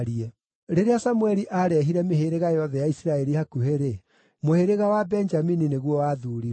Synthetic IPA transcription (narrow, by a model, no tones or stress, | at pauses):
ɾiɛ | ɾeɾeasamwɛɾiʔaɾɛɦiɾɛmeheɾeɣajɔðɛjaisiɾaɛɾihakuheɾe | moheɾeɣawabɛnd͡ʒaminineɣwɔwaːðuːɾiɾɛ